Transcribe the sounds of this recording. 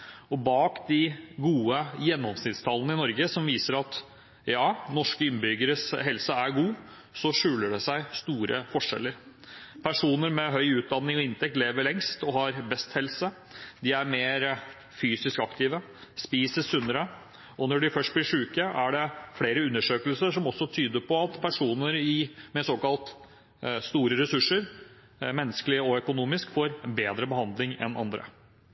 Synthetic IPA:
ɔbɑːkd̪ɪɡuːəjɛnːɔmsnɪt̪st̪ʰɑlənəɪnɔɾɡəsɔmʋiːsəɾɑt̪ | jɑːnɔʂkəɪnbʏɡəɾəsɦɛlsəæɾɡuː | sɔʂʉːləɖɛsæɪst̪uːɾə̰fɔʂɛ̰lːəɾ | pʰæʂuːnəɾmɛɦœʏʉːt̪̚d̪ɑnːɪŋɔɪnt̪ɛk̚t̪leːʋəɭlɛŋst̪ɔɦɑɾbɛst̪hɛlsə | d̪ɪæɾmeːɾ | fyːsɪskɑkt̪ɪːʋə | spiːsəsʉnːəɾə | ɔnɔɖɪfœʂʈ̪̚blɪʂʉːkəʔæɖɛfɽeːɾəʉnːəʂøːkəlsəʂɔmɔsːɔt̪ʰyːd̪əpʰɔɑt̪pʰæʂuːnəɾɪmɛsoːkɑlt̪ | st̪uːɾəɾɛsʉʂːəɾ | mɛnːəskəlɪəɔœkʊnuːmɪskfoːɾbeːd̪ɾəbəhɑnd̪lɪŋɛ̰nʔɑ̰nd̪ɾə̰

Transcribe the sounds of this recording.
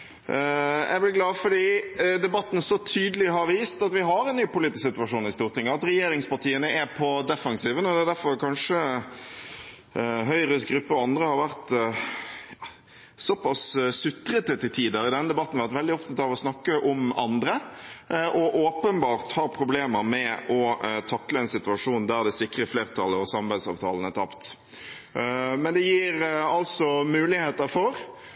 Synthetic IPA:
jɛ̰ɪblɪɡlɑːfɔɖiːd̪ɛbɑt̪ːn̩sɔt̪ʰyːd̪əlɪɦɑɾʋiːst̪ɑt̪ʋɪɦɑɾɛnːyːpʊliːt̪ɪssɪt̪ʉɑʂuːnɪst̪uːɾt̪ɪŋːəɑt̪ɾɛjeːɾɪŋspɑʁʈ̪iːənəɛpʰɔd̪ɛfɑnsiːʋənɔd̪ɛæd̪æɾfɔɾkʰɑnʂə | ɦœʏɾəsɡɾʉpːəɔɑnd̪ɾəhɑɾʋæʁt̪ | jɑ | sɔpɑssʉt̪ɾət̪ət̪ɪt̪ʰiːd̪ɑʁɪd̪ɛnːəd̪ɛbɑt̪ːn̩ʋæʁt̪ʋɛld̪ɪɔpt̪ʰɑt̪ɑʋɔsnɑkːəʔɔmɑ̰nd̪ɾə | ʔɔʔoːpənbɑːʁt̪hɑːɾpʰʁʊbleːməɾmɛʔɔt̪ʰɑkləɛnsɪt̪ʉɑʂuːnd̪æʁd̪ɛsɪkːɾəfleːʁt̪ʰɑləɔsɑmɑbæɪd̪sɑ̰ːʋt̪ʰɑːlən̩ət̪ʰɑpt̪ | mɛnd̪ɛjiːɾɑlsɔmʉːlɪheːt̪əɾfɔɾ

